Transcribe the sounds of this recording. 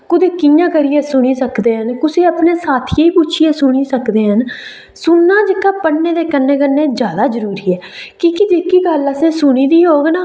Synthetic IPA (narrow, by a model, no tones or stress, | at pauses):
kʊd̪eːkɪjãːkəɾiːɛːsʊɽ̃iːsəkd̪eːɦənkʊsiːəpneːsaːt̪ʰieiːpʊt͡ʃʰiːeːsʊɽ̃iːsəkd̪eːɦən | sʊnːãːd͡ʒɪkːaːpəɽneːd̪eːkənːeːk̬ənːẽːd͡ʒjaːd̪aːzəɾuːɾiːɛːkiːkɪd͡ʒeːkiːɡələsẽːsʊñiːd̪iːɦoːɡnaː